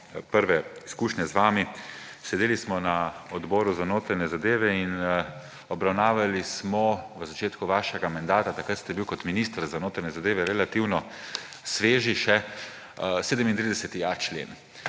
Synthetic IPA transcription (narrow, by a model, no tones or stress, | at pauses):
pəɾʋɛiskuːʃɲɛzʋaːmisɛd̪eːlismɔnaɔd̪bɔːɾuzanoːt̪ɾanɛzad̪eːʋɛin | ɔbɾawnaːʋalismɔʋəzat͡ʃeːt̪kuʋaːʃɛɡamand̪aːt̪at̪akət̪st̪ɛbiwkɔt̪miniːst̪ɾzanoːt̪ɾanʲɛzad̪eːʋɛɾɛlat̪iwnɔ | sʋeːʒiʃɛ | seːd̪əmint̪ɾid̪ɛsɛt̪iat͡ʃlḛːn